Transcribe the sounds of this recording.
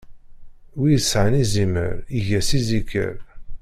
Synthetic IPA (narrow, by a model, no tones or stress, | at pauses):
wisʕənizimə̰ɾiʝæsizikʰːə̰ɾ